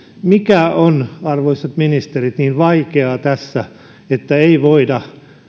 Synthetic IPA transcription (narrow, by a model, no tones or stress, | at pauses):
mikæonɑrʋoiset̪minist̪erit̪niːnʋɑikeɑt̪æsːæ | et̪ːæeiʋoidɑ